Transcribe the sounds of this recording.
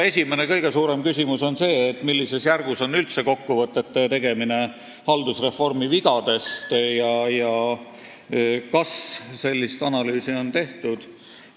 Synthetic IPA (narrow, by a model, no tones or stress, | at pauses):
e̞sʲimenekɤ̞jɡe̞suːɾe̞mkysʲimuso̞nse̞ːt̪ːˑmilːise̞sjærɡ̥uso̞nːylt̪se̞ko̞kːuvɤt̪ːˑe̞t̪ːet̪e̞ɡ̥e̞mine̞ | hɑld̪̥usre̞fo̞rmiviɡ̥ɑd̪̥e̞st̪jɑjɑ | kɑsse̞lʲːist̪ɑnɑlyːsio̞nt̪e̞ht̪ud̪̥